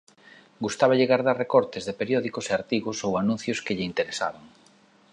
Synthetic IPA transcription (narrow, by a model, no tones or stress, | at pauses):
ɡust̪aβaʎeɣaɾðaɾrekɔɾt̪ɪzðepeɾjɔðikoseaɾt̪iɣosowanũn̟θjoskɪʎɪint̪eɾesa̰βaŋ